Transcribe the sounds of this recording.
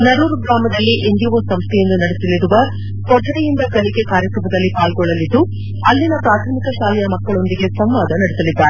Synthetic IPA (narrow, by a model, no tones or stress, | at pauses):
nɐɾuːɾuɡɾaːmɐd̪ɐlːiʔend̪ijɐʋɐsɐmst̪ʰɛjenːunɐɽesɐliɾuʋɐ | kɔɖːɐɽejind̪ɐkɐliɡe̞kaːɾjɐkɾɐmɐd̪ɐlːipaːlɡɔɭːɐlid̪ːu | ɐlːinɐpɾaːt̪ʰɐmikɐʃaːlɛjɐmɐkːɐɭo̞nd̪iɡe̞sɐmʋaːd̪ɐnɐɽesɐlid̪ːaːɾe